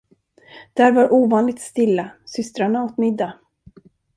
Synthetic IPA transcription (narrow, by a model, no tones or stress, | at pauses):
d̪̥æːɾvaɾʔuːvɑːnlɪɡ̚t̪st̪ɪlːasʏst̪ɾaɳaot̪mɪd̪ːa